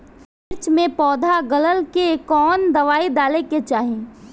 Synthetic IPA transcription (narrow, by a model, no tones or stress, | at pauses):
ɪɾt͡ʃmẽpɔːd̪ʱaɡələlkekɔːnd̪ɐʋaːid̪aːleket͡ʃaːɦẽː